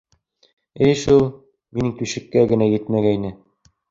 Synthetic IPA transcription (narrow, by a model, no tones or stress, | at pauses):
ɘjʃulˠ | minɘŋt̪uʃɘ̆kːæɡɘ̆næjɘt̪mæɡæinɘ